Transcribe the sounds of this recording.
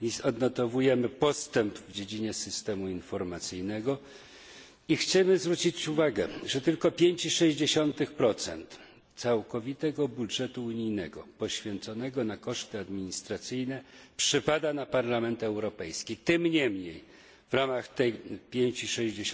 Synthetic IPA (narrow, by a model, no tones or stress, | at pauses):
izɔd̪nɔt̪ɔvujɛmɘpɔst̪ɛmpvd͡ʑed͡ʑiɲɛsɘst̪ɛmuinfɔɾmat̪sɘjnɛɡɔ | ixt͡ɕɛmɘzvɾut͡ɕit͡ɕuvaɡɛʐɛt̪ɘlkɔpʲjeɲt͡ɕiʂɛʑd͡ʑeɕɔnt̪ɘxpɾɔt̪sɛ̰nt̪ | t̪sawkɔvʲit̪ɛɡɔbudʐɛt̪uuɲijnɛɡɔ̰pɔɕfʲjɛnt̪sɔnɛɡɔnakɔʂt̪ɘad̪mʲiɲist̪ɾat̪sɘjnɛpʂɘpad̪anapaɾlamɛnt̪ɛwɾɔpɛjskʲit̪ɘmɲɛmɲej | vɾamaxt̪ɛjpʲjeɲt͡ɕiʂɛʑd͡ʑe